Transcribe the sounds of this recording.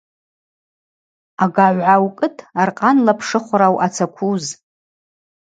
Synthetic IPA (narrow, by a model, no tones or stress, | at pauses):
aɡaʕʷʕawkʼɨtʰarqʼanlapʰʂɨχʷɾawʔat͡sʰakʷʰuz